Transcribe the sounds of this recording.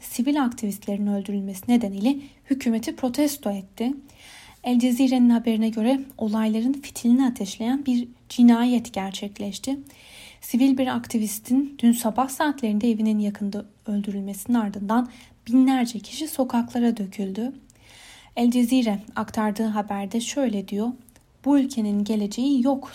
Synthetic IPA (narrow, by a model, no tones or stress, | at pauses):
sivilʲakt̪ʰivist̪lʲeɾinnø̞lʲd̪yɾylʲmesine̞d̪enijlʲɛhycʰyːme̞t̪ʰipʰɾo̞t̪ʰɛst̪ʰoɛt̪ʰːɪ | ɛlʲd͡ʒeziɾeninɦabe̞ɾinɛɟø̞ɾɛo̞lˠajlˠaɾɯnfi̥t̪ʰlʲiniat̪ʰɛʃlʲe̞jænbiɾd͡ʒinaːjɛt̪ɟæɾt͡ʃʰɛclʲɛʃt̪ʰɪ | sivilʲbiɾa̰kt̪ʰivist̪ʰind̪̥ynsabahsaːt̪lʲe̞ɾind̪ɛevininjakʰɯnd̪a | ø̞lʲd̪yɾylʲmesininaɾd̪ɯnd̪an | b̥inlʲæɾd͡ʒɛcʰi̥ʃiso̞kʰaklˠaɾad̪ø̞cʰylʲd̪y | ɛlʲd͡ʒeziɾɛakt̪ʰaɾd̪ɯːɦabæɾd̪ɛʃø̞jlʲɛd̪ijo̞ | b̥uylʲcʰe̞ninɟe̞lʲe̞d͡ʒe̞jijo̞k